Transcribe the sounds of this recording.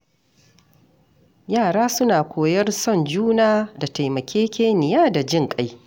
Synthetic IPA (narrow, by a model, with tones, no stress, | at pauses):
jaː˦˨ɽaː˦sʊ˦naː˨kʷoː˨jɐ˦rsɔ˦˨nd͡ʒuː˦naː˦da˨ta˨jmɐ˨kʲʰeː˦kʲeː˦nɪ˨jaː˦da˨d͡ʒɪ˦˨ŋkʼa˦j